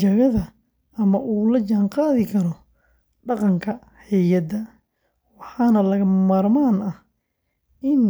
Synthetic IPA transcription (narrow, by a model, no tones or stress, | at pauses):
t͡ʃɐɣɐðɐ | ɐmɐʔuːlɐt͡ʃaːnqɑːðɪkʰɐɾɔ | ɖɑqɑŋkʰɐ | hɛjɐd̪ɐ | wɑħɑːnɐlɐɣɐmaːrmaːnɐh | ʔɪn